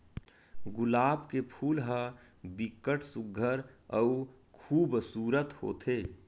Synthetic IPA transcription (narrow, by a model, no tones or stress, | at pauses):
ɡʊlaːbkepʰuːlɦə | bɪkːəʈsʊɡʱəɾəu | kʰuːbsuːɾət̪ho̰ːt̪ʰeː